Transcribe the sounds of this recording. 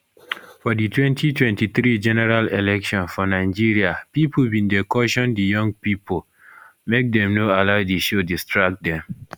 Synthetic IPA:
fɔditʰwɛ̃ntʰitʰwɛ̃ntiθɹid͡ʒɛnɛɹalelɛkʃɔ̃nfɔnaɪd͡ʒiɹiapipobĩndekɔʃɔ̃ndijɔ̃ŋɡpipo | mek̚dɛ̃mnoalaʊdiʃodistʰɹak̚dɛ̃m

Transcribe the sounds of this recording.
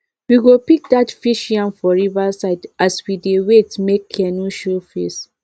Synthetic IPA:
wiɡopik̚datfiʃjãnfɔɹivasaɪdʔaswidewetmekʰːɛnuʃofes

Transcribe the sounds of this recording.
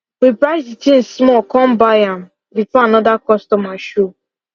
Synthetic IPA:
wipɾaɪzditĩn̩smɔkɔ̃mbajam̩ | bifɔanɔdakɔstɔmaʃo

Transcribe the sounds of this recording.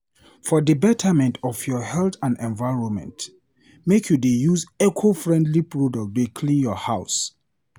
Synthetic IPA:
fɔdəbɛtʰəmɛ̃ntʰɔfjɔhɛltãndɛ̃nvaɪɹɔ̃nmɛ̰̃nt | mekʰjudejuzɛkʰofɹɛ̃ndlipɹodɔk̚dekʰlĩnjɔhaʊs

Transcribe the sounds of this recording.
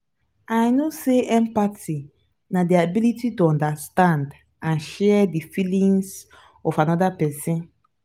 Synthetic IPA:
ajnoseɛ̃mpati | nadiabilititoɔ̃ndastãnd | ãnʃɛdifilĩŋs | ɔfanɔdapɛsĩn

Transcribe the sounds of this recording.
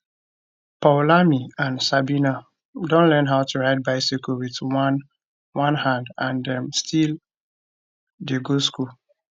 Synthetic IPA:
palamiãnsabina | dõnlɛ̃nɦaʊtuɹaɪt̚baɪsikowit | wãnhãndãndɛ̃mstʰil | deɡosku

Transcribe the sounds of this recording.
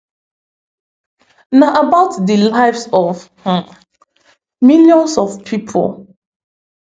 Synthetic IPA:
naʔabaʊtdəlaɪvsɔvhã | miljɔ̃nsɔfpʰipʰo̰l

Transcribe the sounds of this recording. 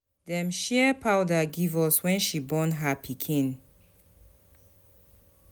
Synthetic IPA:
dɛ̃mʃɛpʰawdaɡivɔswɛ̃nʃibɔ̃nɦapʰikʰĩn

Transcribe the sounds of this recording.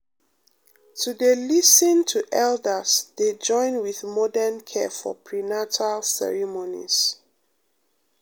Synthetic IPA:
tʰudelisə̃ntʰuʔɛldəsded͡ʒɔ̃ɪ̃nwiðmɔdənkʰɛfɔ̰pʰɹinatʰalsɛ̰ɹimonḭz̥

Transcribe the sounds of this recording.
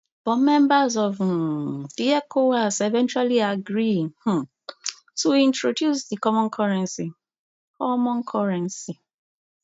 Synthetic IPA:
bɔmɛ̃mbazɔṽ | diɛkʰowasevɛ̃nt͡ʃualiaɡɹih̩ | tuĩntɹodjusdikɔmɔ̃nkʰɔɹɛ̃nsi | kʰɔmɔ̃nkʰɔɹɛ̃nsi

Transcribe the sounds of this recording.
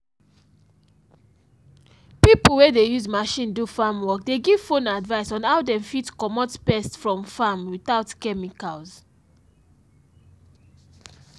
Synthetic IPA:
pipl̩wɛdejuzmaʃĩndufamwɔk̚deɡiv̥fõnadvaɪsɔ̃naʊdɛ̃mfitkɔmɔtpɛstsfɹɔ̃mfamwiθaʊtkɛmikalz

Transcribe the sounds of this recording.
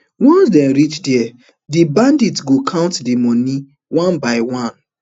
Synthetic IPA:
wɔ̃nsdɛ̃nɾit͡ʃdiɛ | dibãnditɡokʰãʊ̃ntdimɔni | wãnbaɪwãn

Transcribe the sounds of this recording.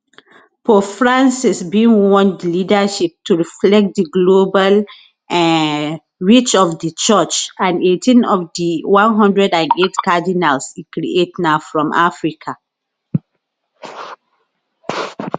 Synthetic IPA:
pɔfɹãnsisbiwɔ̃ndlidaʃip̚tuɹiflɛk̚t̚diɡlobal | ɹit͡ʃɔfdit͡ʃɔt͡ʃãnetʰĩnɔfdiwãnɦɔ̃ndɹɛdãnetkadinalsikɹiʔetnaʊfɹɔ̃mʔa̰fɹikʰa

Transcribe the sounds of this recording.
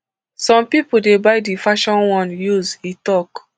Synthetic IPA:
sɔ̃mpipudebaɪdifaʃɔ̃nwɔ̃njuzitɔk

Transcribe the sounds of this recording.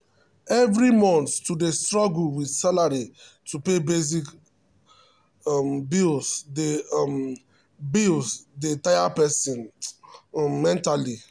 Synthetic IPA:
ɛvɾimɔ̃nθtudestɹɔɡulwidsalaɾi | tupebez̬ik | mbilsdem | bilsdetajapɛsɔ̃n | ɛ̃ntali

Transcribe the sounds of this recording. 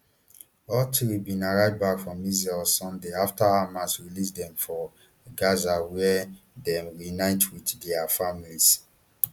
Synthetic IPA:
ɔtʰibĩnaɹaɪdbakfɹɔ̃mizɛlsɔ̃ndeaftaamasɹilisdɛ̃mfɔ | ɡazawɛ | dɛ̃mɹinaɪ̃twitdɛafamilis

